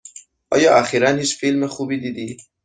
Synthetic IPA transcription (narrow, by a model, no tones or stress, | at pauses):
ʔɒ̰ːjɒːʔæxiːɾænhiːt͡ʃfilmexubiːd̪iːd̪iː